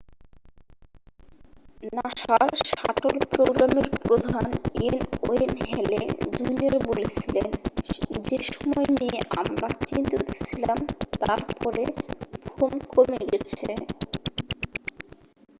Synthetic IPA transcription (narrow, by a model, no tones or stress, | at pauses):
naʃaɾʃaʈolpɾoɡɾameɾpɾod̪ʱanenoenɦɛlḛd̪ujniaɾbolet͡ɕʰilend͡ʑeʃɔmɔenieʔa̰mɾat͡ɕint̪ot̪ʰe̥t͡ɕʰilamt̪aɾpɔɾebʱonkomeɡɛt͡ɕʰe